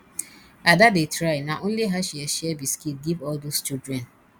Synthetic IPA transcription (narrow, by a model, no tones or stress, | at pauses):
adadetɾaɪnaʔõnliɦaʃieʃɛbiskiɡivɔldost͡ʃidɾɛ̃n